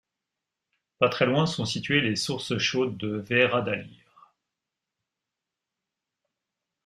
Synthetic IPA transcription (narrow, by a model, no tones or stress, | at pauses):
pat̪χɛlwɛ̃sɔ̃sit̪ɥelesuʁsʃod̪ːəvɛʁad̪aliːʁ